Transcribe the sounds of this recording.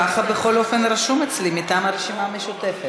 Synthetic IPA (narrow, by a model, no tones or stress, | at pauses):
aχabe̞χo̞lo̞fe̞nɾaʃumet͡slimitaːmaʁeʃimaːme̞ʃute̞fe